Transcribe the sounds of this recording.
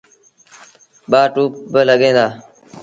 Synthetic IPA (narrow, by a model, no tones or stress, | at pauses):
ɓaːʈuːp̚bələɠẽːd̪aː